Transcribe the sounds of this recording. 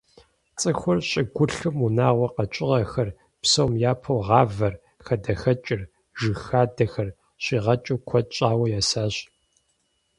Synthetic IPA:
t͡sʼɨxʷʊrɕʼɪɡʷʊɬɨmunaːʁʷɔqɐt͡ʃʼɪʁɐxɐr | psɐwmjaːpʰɐwʁɑːvɐr | xɐdɐxɐt͡ʃʼɪr | ʒɨxaːdɐxɐr | ɕiːʁɐt͡ʃʼukʷʰɔtʼt͡ʃʼaːwɐjaːsaːɕ

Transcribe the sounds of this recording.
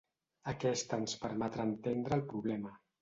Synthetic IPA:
əkɛst̪əːnspəɾmɛt̪ɾaːnt̪end̪ɾəːlˠpɾuβlɛmə

